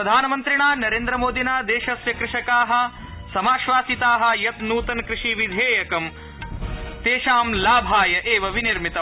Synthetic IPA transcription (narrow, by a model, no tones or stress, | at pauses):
ɾɐd̪ʱaːnɐmɐnt̪ɾiɳaːnɐɾeːnd̪ɾɐmoːd̪ʱinaːd̪eːʃɐsʋjɐkɾɪʂɐkaːɦɐ̆ | sɐmaːʃʋaːsit̪aːɦɐ̆jɐt̪nuːt̪ɐnkɾɪʂiʋid̪ʱeːjɐkɐm | t̪eːʃaːmlaːbʱaːjɐʔeːʋɐʋiniɾmit̪ɐ